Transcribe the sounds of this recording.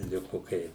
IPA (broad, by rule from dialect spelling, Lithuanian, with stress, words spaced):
ˈlʲɪkʊ ˈkɐɪ